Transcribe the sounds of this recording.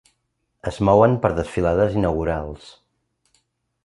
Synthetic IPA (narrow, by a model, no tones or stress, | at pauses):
əzmɔwənpəɾðəsfilaðəzinəɣuɾalˠs